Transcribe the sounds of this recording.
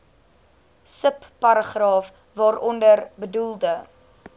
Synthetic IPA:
səpːɐɾəχrɑːf | vɑːɾʔɔndərbədulˠdə

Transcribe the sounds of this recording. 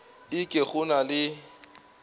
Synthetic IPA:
ɪkʼɪχʊnalɪ

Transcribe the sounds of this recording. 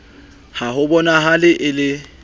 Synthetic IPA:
hahʊbɔnaɦalɪʔɪlɪ

